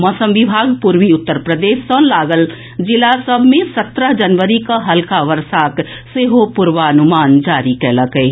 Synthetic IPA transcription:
mɔːsə̃mʋibʱaːɡpuɾʋiʊt̪ːəɾpɾəd̪eːsːə̃laːɡəl | d͡ʒɪlasəbʱmẽsət̪ɾəɦd͡ʒənʋəɾikaɦəlkaʋəɾsaːk | seɦopʊɾʋaənʊmaːnd͡ʒaːɾikɛləkɛ

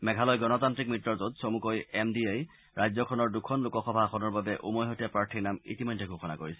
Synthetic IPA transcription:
mɛɡʱalɔjɡɔnɔtantɹik̚mitːɔɹzotsomukojɛmdiej | ɹʔajzɔkʰɔnɔɹdukʰɔnlukɔxɔbʱaxʰɔnɔɹbabɛʔumɔjɦotapɹaɹtʰiɹnamḭtimɔjdʱːɛɡʱoxʰɔna̰koɹisɛ

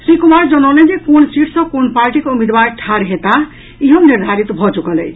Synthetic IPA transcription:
sɾikumaɾd͡zʌnʌlenekonsiʈsʌ̃konpaɾʈikoumed̪baɾʈʰaɾɦet̪a | iɦʌniɾd̪ʱaɾit̪bʱʌt͡ʃukʌlej

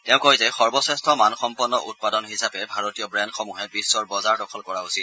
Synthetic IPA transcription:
tɛʊ̃kojzɛxɔɹbɔsɛstʰɔmanxɔmpɔnːɔʔut̚padɔnɦisapɛbʱaɹotijɔbɹɛndxɔmuɦɛpisːɔɹbɔzaɹdɔkʰɔlkɔɹausit

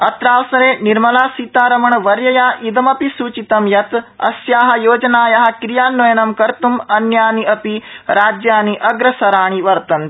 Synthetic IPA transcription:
ɐt̪ɾaːʋsɐɾeːniɾmɐlaːsiːt̪aːɾɐmɐɳɐʋɐɾjɐjaːʔid̪ɐmɐpisuːt͡ʃit̪ɐmjɐt̪ɐ̰sjaːɦɐ̆joːd͡ʒɐnaːjɐɦɐ̆kɾijaːnːojɐnɐmkɐɾt̪umɐnjaːniɐpiɾaːd͡ʒjaːniʔɐɡɾɐsɐɾaːɳ̃iʋɐɾt̪ɐnt̪

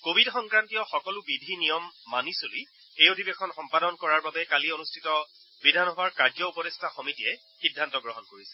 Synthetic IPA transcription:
kobʱidxɔŋkɹantiɔxɔkɔlʊbidʱinijɔmːanisoli | ejodʱibexɔnxɔmpadɔnkɔɹaɹbabɛkalionustʰitɔ | bidʱanɦɔaɹkaɹzɔupɔdestʰaxɔmitiɛ | xidʱːantɔɡɹɔɦɔnkoɹisɛ

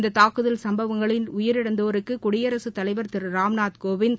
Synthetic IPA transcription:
d̪ɐt̪aːkɯðɐlsɐmbɐʋɐŋɡɐɭɪnʊjɐɾɪɽɐnd̪oːɾɯkːɯkʊɽɪjɐɾɐsɯt̪ːɐlɐɪʋɐɾt̪ɪɾɯɾaːmnaːt̪koːʋɪn

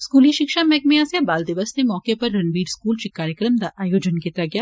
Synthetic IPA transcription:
skuːliʃɪkʃamɛːk̚meaːsabaːld̪ɪʋəsnemɔːkepɐɾːɐnʋiːɖskuːlʃikaːɾjəkɾəmd̪aʔaːjoːd͡ʒənkɪt̪ɾaɡɐjaː

